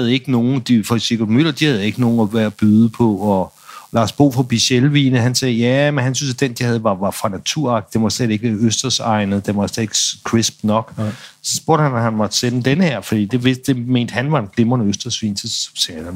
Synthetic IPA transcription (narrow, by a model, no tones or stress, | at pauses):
æð̞̩ˠe̝ɡ̥əno̝ːn̩d̥ifɒ̥seɡ̥odmyl̰ˠɐd̥ihæð̞̩ˠe̝ɡ̥əno̝ːn̩ɒʋæɐb̥yðˠəpʰɒ̽ɒ | lɑ̈sb̥o̝̰ːfʁɑb̥iɕelʋḭːnəɦænsɛːjæmenɦænsynsæd̥end̥ihæðˠʋɑ̈ʋɑ̈fʁɑ̈næt͡sʰuɐ̰ɑ̈ɡ̥̚d̥id̥enmɒ̥sleð̥e̝ɡ̥əʋæɐøsd̥ɐsɑ̈ɪnəð̩ˠd̥enmʋɒ̥slede̝ɡ̥kʰʁisb̥nɒ̽ɡ̥sɒsb̥o̝ɐ̰ɾ̥əhænhænmɒ̽d̥senəd̥enəheɐ̰fɒd̥ḭːd̥e̝ʋesd̥e̝me̝̰ːnd̥əhænʋɑ̈e̝nɡ̥le̝mɐnəøsd̥ɐsʋḭːnsʰisɛdæ